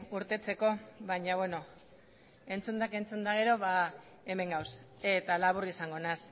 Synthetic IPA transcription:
uɾt̪e̞t͡se̞ko̞βaɲaβweno̞ | e̞nt͡sund̪ake̞nt͡sund̪aɣ̞e̞ɾo̞βa | e̞me̞ŋɡawse̞t̪alaβurisaŋɡo̞nas

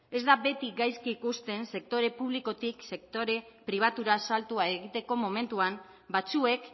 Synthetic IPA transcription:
e̞zd̪abe̞t̪iɡajskiːkust̪e̞nse̞k̚t̪o̞ɾe̞puβ̞liko̞t̪ikse̞k̚t̪o̞ɾe̞pɾiβ̞at̪uɾasalt̪uae̞ɣit̪e̞ko̞mo̞me̞nt̪uam | bat͡sue̞k

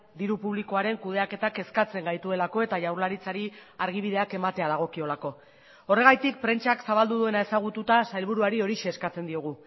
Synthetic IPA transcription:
d̪iɾupuβliko̞aɾe̞ŋkuð̞e̞ake̞t̪ake̞skat͡se̞ŋɡajt̪ue̞lako̞e̞t̪aʝawɾlaɾit͡saɾiaɾɣ̞iβ̞ið̞e̞ake̞mat̪e̞að̞aɣ̞o̞kio̞lako̞ | ore̞ɣ̞ajt̪ik̚pɾe̞nt͡ʃaksaβald̪uðue̞nae̞saɣ̞ut̪ut̪asajlβ̞uɾuaɾio̞ɾiʃe̞ːskat͡se̞nd̪io̞ɣ̞u

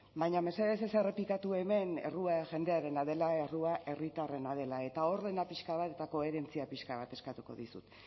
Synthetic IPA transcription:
bajɲame̞se̞ðes̬esere̞plikat̪ue̞me̞ne̞̰ruaʝe̞nd̪e̞aɾe̞naðe̞lae̞ruaʔe̞rit̪are̞nað̞e̞lae̞t̪ao̞ɾðe̞napiʃkaβat̪e̞t̪ako̞e̞ɾe̞nt͡siapiʃkaβ̞at̪e̞skat̪uko̞̰ðḭsṵt̪

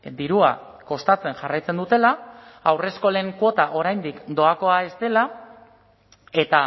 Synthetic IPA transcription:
d̪iɾua̰ | ko̞st̪at͡se̞nʝarajt͡se̞nd̪ut̪e̞laːwre̞sko̞le̞ːŋkwo̞t̪aʔo̞ɾajnd̪ikd̪o̞ako̞ae̞st̪e̞la | e̞t̪a

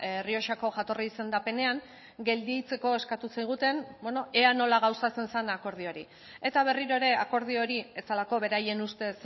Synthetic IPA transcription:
erio̞ʃako̞ʝat̪o̞riise̞nd̪ape̞ne̞aŋ | ɡe̞ld̪ijt͡se̞ko̞e̞skat̪usajɣ̞ut̪e̞nbono̞ʔeano̞laɣ̞awsat͡se̞nsanako̞ɾð̞io̞ɾi | e̞t̪aβ̞e̞riɾo̞eɾe̞ako̞ɾð̞io̞ɾie̞t͡salako̞βe̞ɾaje̞nust̪e̞s

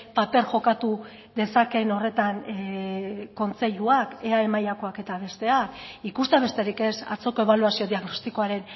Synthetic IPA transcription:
pape̞ɾʝo̞kat̪u | ðe̞sake̞no̞re̞t̪an | ko̞nt͡se̞ʎuake̞ae̞majako̞ake̞t̪aβ̞e̞st̪e̞akikust̪eaβe̞st̪e̞ɾike̞sa̰t͡so̞ko̞e̞β̞aluasio̞ðiaɣno̞st̪iko̞aɾe̞n

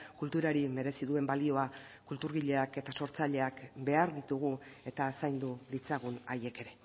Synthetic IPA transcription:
kult̪uɾaɾime̞ɾe̞siðue̞mbalio̞a | kult̪uɾɣiʎe̞ake̞t̪aso̞ɾt͡saʎe̞akbe̞aɾðit̪uɣ̞ue̞t̪asajnd̪ulit͡saɣ̞unaje̞ke̞ɾe̞

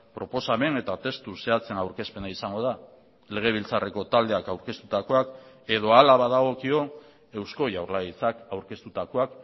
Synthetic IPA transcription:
pɾo̞po̞same̞ne̞t̪at̪e̞st̪use̞at͡se̞nawɾke̞spe̞naisaŋɡo̞ð̞a | le̞ɣ̞e̞β̞ilt͡sare̞ko̞t̪ald̪e̞akawɾke̞st̪ut̪ako̞ak | e̞ð̞o̞alaβaðaɣ̞o̞kio̞ | e̞wsko̞jawɾlait͡sakawɾke̞st̪ut̪ako̞ak

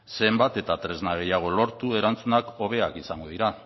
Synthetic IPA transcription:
se̞mbat̪e̞t̪at̪ɾe̞znaɣ̞e̞jaɣ̞o̞lo̞ɾt̪ue̞ɾant͡sunako̞β̞e̞akisaŋɡo̞ðiɾa

